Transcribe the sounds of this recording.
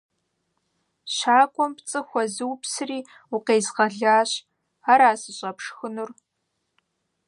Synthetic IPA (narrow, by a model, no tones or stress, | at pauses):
ɕaːkʷʼɔmpt͡sʼɨxʷɔzɨwpsɨriː | ʊqeːzʁɐɮaːɕ | aːɾaːsɨɕʼɐpʂxɨnur